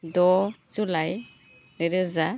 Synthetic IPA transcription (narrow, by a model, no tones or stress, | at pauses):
dɔzulaj | neɾɯza